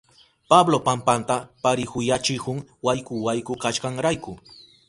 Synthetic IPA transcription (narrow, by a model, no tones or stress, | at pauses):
pablopampant̪apaɾɪhʊjat͡ʃɪhʊŋwajkʊwajkʊkaʃkɑŋɾajkʊ